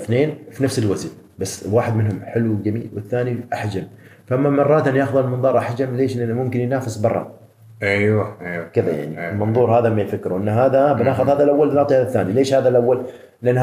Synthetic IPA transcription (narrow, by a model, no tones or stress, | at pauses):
θneːnfinafsɪlwazɪn | basːwaːħɪd̪mɪnhʊmħɪlud͡ʒamḭːlwɪθːaːniʔaħd͡ʒam | faʔamːamɑrˤːɑːt̪ʔɪnjaːxðˤɑlmɑnðˤɑːɾˤʔaħd͡ʒamleːʃlʔɪnːmʊmkɪnjnaːfɪsbɑrˤːɑ̰ | ʔajwajwkɪðaja̰ʕniɪlmɑnðˤuːɾhaːðamːajfakːɾuwʔɪnːɦaːðabɪnaːxʊðˤhaːðalʔawːalɪnɑːt̪ˤihaðaθːa̰ːnileːʃhaːðalʔawːal | lʔɪnː